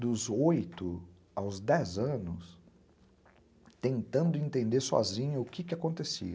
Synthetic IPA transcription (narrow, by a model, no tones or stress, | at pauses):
d̪ʊzojt̪ʊ | awzd̪ɛzɐ̃nʊs | t̪ẽnt̪ɐ̃nd̪ʊẽnt̪ẽnd̪eɾsɔ̰zĩɲɐʊkɪkɪakõnt̪esḭɐ